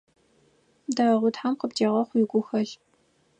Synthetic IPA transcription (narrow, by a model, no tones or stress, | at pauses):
daʁʷʊtħamqəptʰeːʁɐχʷjɪɡʷʊxɐɮ